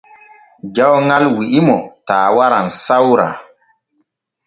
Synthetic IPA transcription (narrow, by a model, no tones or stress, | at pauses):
d͡ʒawŋalwiʔimɔtaːwaɾansawɾa̰